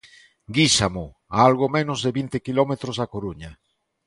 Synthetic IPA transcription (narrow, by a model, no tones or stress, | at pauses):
ɡisamo | aalɣomẽnozðeβint̪ekilɔmet̪ɾozakoɾuɲɐ